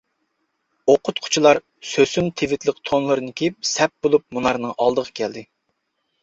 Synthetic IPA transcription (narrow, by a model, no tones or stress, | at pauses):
oqʰʊt̪̚qʰʊ̥t͡ʃʰilˠɑɾ | søsynt̪ʰevɪt̪lɪk̚t̪ʰonlˠɨɾɨnɨkʲʰeip̚sɛp̚bolˠup̚munɑɾnɨŋʔɑ̰lˠd̪əʁɑkʲʰɛld̪ɪ